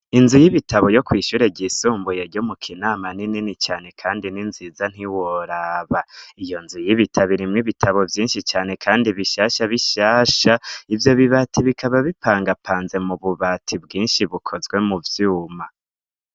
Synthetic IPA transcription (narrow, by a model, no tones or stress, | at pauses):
inzujiβitʰaβo̞jo̞kwiːʃuɾe̞ɟisuːmbujeɾɟo̞mukʰinaːmanininit͡ʃaːne̞kʰaːndininziːzan̥iwoɾaːβaijo̞nzujiβitʰaβiɾimŋiβitʰaβo̞vjiːnʃit͡ʃaːne̞kʰaːndiβiʃaːʃaβiʃaːʃaivjo̞βiβaːtʰiβikʰaβaβipʰaːŋɡapʰaːnze̞muβuβatʰibɡiːnʃiβukʰo̞zɡwe̞muvjuːma